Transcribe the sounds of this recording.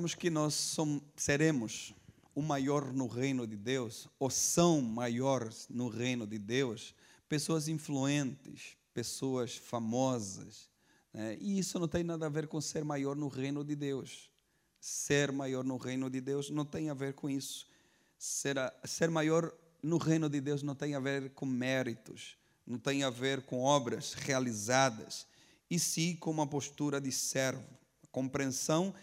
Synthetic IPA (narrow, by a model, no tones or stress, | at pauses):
mʊskɪnɔsːõseɾẽmʊz | ʊmajɔɾnʊʁejnʊd̪ɪd̪ewsosɐ̃w̃majɔɾznʊʁejnʊd̪ɪd̪ews | pesoɐzĩfluẽnt̪ɪ̰spesoɐsfamɔzɐ̰s | nɛɪisʊnɐ̃w̃t̪ẽj̃nad̪ɐːveɾkõseɾmajɔɾnʊʁejnʊd̪ɪd̪ews | seɾmajɔɾnʊʁejnʊd̪ɪd̪ewznɐ̃w̃t̪ẽj̃aveɾkõisʊ̥ | seɾaseɾmajɔɾ | nʊʁẽjnʊd̪ɪd̪ewznɐ̃w̃t̪ẽj̃aveɾkõmɛɾit̪ʊ̰s | nɐ̃w̃t̪ẽj̃aveɾkõɔbɾɐsʁealizad̪ɐ̰s | ɪsĩkõũmɐpost̪uɾɐd̪ɪsɛɾvʊ | ɐkõmpɾẽsɐ̃w̃